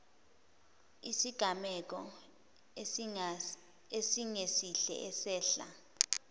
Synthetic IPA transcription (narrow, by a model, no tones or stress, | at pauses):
isiɡ̥ʱamɛk̬ɔ | esiŋesiɬɛ̰ʔɛsɛːɬa̰